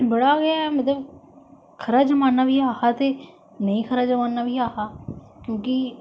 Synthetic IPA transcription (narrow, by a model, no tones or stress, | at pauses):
bəɽaːɡɪaːɛmət̪ləb | kʰəɾaːd͡ʒəmaːnːaːʋiːaːhaːt̪eː | nəĩːkʰəɾaːd͡ʒəmaːnːaːʋiːaːhaːkjõːk̬ɪ